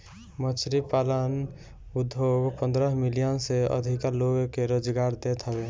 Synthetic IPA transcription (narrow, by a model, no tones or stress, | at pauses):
mət͡ʃʰɾipalən | ud̪ʱːoɡpənd̪ɾəɦmilijənseə̰d̪ʱikaloɡkeɾod͡ʒɡaɾd̪et̪ʰɦəbe